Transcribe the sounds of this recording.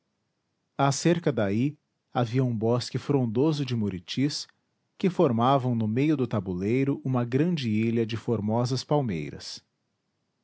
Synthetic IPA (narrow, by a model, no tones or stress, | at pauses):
aseɾkɐd̪ai | aviɐũbɔskɪfɾõd̪ozʊd͡ʒɪmuɾit͡ʃis | kɪfoɾmavɐ̃w̃nʊmejʊd̪ʊt̪abulejɾʊʔũmɐɡɾɐ̃d͡ʒɪiʎɐd͡ʒɪfoɾmɔzɐspawmḛjɾɐ̰s